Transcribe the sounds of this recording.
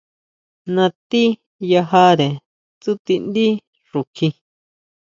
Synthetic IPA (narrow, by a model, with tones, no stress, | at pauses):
nã˧t̪i˦ | ja˧ɦa˦ɾe˨ | t͡su˦t̪i˧nd̪i˦ | ʐu˨kʰi˧